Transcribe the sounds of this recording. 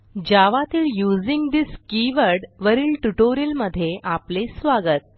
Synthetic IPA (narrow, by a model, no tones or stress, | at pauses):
d͡ʑaʋat̪iːljud͡ziŋɡd̪iskiʋəɾɖʋəɾiːlʈuʈoɾijiəlməd̪ʱːjeʔaplesʋaɡət̪̚